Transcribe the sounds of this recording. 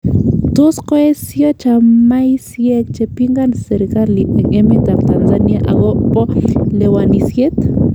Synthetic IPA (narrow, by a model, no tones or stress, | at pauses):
t̪osqoesjot͡ʃamajsjekt͡ʃepiŋɡanseɾkaɾliʔekʼemet̪amt̪ansanjaʔaɣoʔpolewanisjet̪